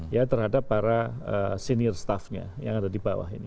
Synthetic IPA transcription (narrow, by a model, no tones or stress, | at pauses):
jat̪ərhadapːaɾa | əsenirst̪afɲa̰ja̰ŋadadibawa̰ɦḭnḭ